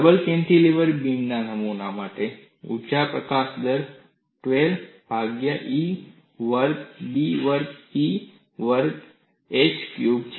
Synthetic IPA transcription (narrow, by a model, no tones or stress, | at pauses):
əbəlkẽɳʈiliʋəɾbinnanəmunamaʈe | ṵt͡ʃapɾəkasd̪əɾ | ʈʋelb̥ʱaɡjaʔi | ʋəɾɡbiʋəɾɡi | ʋəɾɡ | et͡ʃkjubt͡ʃʰ